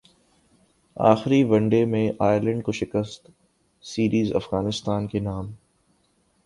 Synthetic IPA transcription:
a̰ːxɾiʋɐ̃ɳɖemẽʔaːjɪɾlə̃ɳɖkoʃɪkəst̪ | siːɾiːzɐ̰fɣaːnɪst̪aːnkenaːm

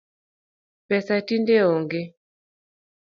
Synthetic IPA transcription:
pɛsatindeɔŋɡe

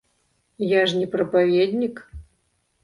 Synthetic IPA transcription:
jaʐnʲɛpɾɐpavʲed̪ʲnʲik

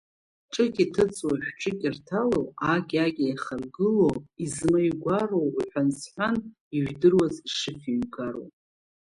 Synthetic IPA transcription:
ʈ͡ʂʼɨkʲʼitʰɨt͡sʼwaħʷᶣʈ͡ʂʰʼɨkʲʼɪrtʰalowaɡʲaɡʲijχarɡɨloizmajɡʷarowiħʷᶣansħʷan | iʒᶣdɨrwaziʂɨfiɥɡaro̰w

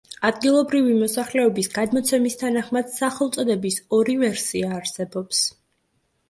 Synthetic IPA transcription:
ad̪ɡilˠɔbɾivimɔsaχlɛɔbisɡad̪mɔt̪sʰɛmist̪ʰanaχmad̪̥saχɛlˠt̪sʼɔd̪ɛbisɔɾivɛɾsiaːɾsɛbɔps

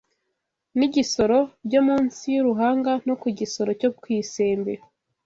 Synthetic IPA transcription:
niɟiso̞ɾo̞bɟomuːnsijuɾuɦaːŋɡano̞kuɟiso̞ɾo̞cokwiːse̞ːmbe

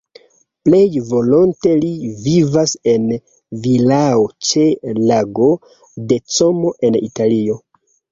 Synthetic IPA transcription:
ple̞jvo̞lo̞nte̞livivase̞n | vilaot͡ʃe̞laɡo̞ | de̞t͡somo̞ʔe̞nḭtalio̞

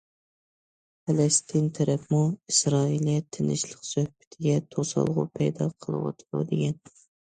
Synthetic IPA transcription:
pʰɛlɛst̪ʰint̪ʰɛɾɛpmuisɾɑːilˠt̪ʰɪnɪ̰ʃlˠəqsøhbɪ̥t̪ʰɪɡʲɛt̪ʰosɑ̰lˠʁʊ̰pʰɛjd̪ɑ̰qʰəlˠɨ̰wɑ̰t̪ʰlˠṵd̪ɪɡʲɛn

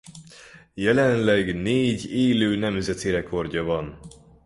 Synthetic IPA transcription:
jɛlɛnlɛɡneːɟeːløːnɛmzɛt̪eɾɛkʰo̞rɟɒvɒn

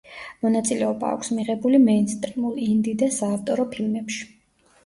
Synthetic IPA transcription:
mɔnat̪sʼilɛɔba̰ːkʰsmiʁɛbulimɛnst̪ʼɾimulˠind̪id̪asaːft̪ʼɔɾɔpʰilmɛpʃi̥

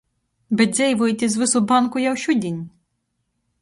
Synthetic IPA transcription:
bezʲɛjʋɔjit̪ʲizʋɪsʊbɑnkʊjɐwʃudʲinʲ

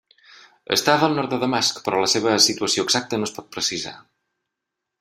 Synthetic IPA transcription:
ə̰st̪aðəlˠnɔɾt̪̚d̪əðəmaskpɾɔləseβ̞əsit̪uəsioəɡzak̚t̪ənospɔt̪̚pɾəsiza̰

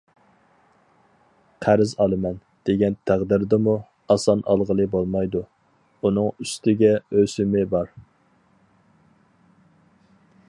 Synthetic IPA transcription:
qʰæɾɪzɑlˠɨmɛn | d̪̥eɡʲɛnt̪ʰæʁd̪ɪɾd̪ɪmu | ɑsɑnʔɑ̰lˠʁəlˠɨbolˠmɑjd̪u | unɨŋyst̪ɪɡʲɛøsɪmɪbɑɾ

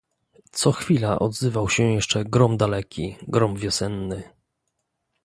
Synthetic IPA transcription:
t̪sɔxfʲilaʔɔ̰d̪zɘvawɕɛjɛʂt͡ʂɛɡɾɔmd̪alɛkʲiɡɾɔmvʲjɔsɛnːɘ

